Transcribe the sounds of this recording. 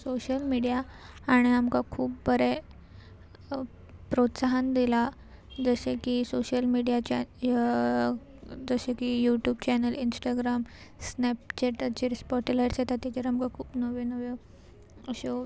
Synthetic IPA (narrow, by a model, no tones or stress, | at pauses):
soɕəlmiɽijaːɽ̃iamkakʰuːp̚bəɾe | pɾot̪saɦand̪ila | d͡zəsekisoɕəlmiɽijat͡ɕa | d͡zəsekijuʈjuːbt͡ɕɛnəlinsʈaɡɾamsnɛp̚t͡ɕeʈət͡ɕeɾspɔʈilajʈsjet̪at̪jat͡ɕəɾamkakʰuːpnəʋenəʋe | əɕo